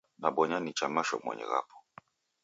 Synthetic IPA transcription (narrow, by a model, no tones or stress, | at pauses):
naɓɔɲanit͡ʃamaʃɔ̰mwɛ̰ɲɛ̰ɣa̰pʰɔ̥